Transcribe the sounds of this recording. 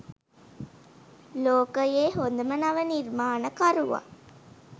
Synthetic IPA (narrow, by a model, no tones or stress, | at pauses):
loːkəjeːɦond̪əmənaʋənirmaːnəkaɾuʋa̰